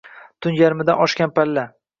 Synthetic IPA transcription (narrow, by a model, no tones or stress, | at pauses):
t̪ʰʊnjaɾmɪd̪anɒʃkʲanpʰalːa